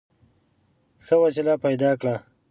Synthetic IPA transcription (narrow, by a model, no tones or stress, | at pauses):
xəwas̬ilapajd̪ɑkɽa